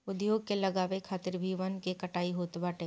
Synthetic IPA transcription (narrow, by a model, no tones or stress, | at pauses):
ʊd̪joːɡ̚kelɐɡaːʋekʰaːt̪ɪɾbʱiʋənkekɐʈaːiɦoːt̪baːʈeː